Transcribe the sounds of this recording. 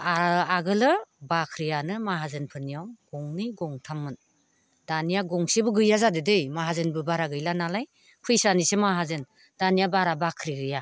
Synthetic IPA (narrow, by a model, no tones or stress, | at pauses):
aaɡɯlɯbakʰɾijanɯmaɦazɯnpʰɯnijawɡ̥ɔŋniɡɔŋtʰamːɯn | d̥anijaɡɔŋsebɯɡɯjazadɯdejmaɦazɯnbɯbaɾaɡɯjlanalaj | kʰɯjsanisemaɦazɯn | d̥anijabaɾabakʰɾiɡɯja